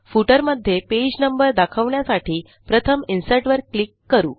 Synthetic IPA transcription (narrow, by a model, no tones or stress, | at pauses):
fuʈəɾməd̪ʱjeped͡ʑnəmbəɾd̪akʰəʋɳjasaʈʰiː | pɾət̪ʰəminsəʈʋəɾklikːəɾṵː